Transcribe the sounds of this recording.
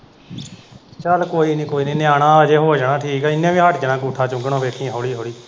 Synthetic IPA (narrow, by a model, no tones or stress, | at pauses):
t͡ʃəlkoːiːnĩːkoːiːnĩːnɪaːɽãːəd͡ʒeːɦoːd͡ʒaɳãːʈʰiːkɛːɪnːãːʋĩːɦəʈʰd͡ʒənãːkuːʈʰãːt͡ʃʊ̃ŋɡɳãːʋeːkʰĩːɦoːɽiːɦoːɽiː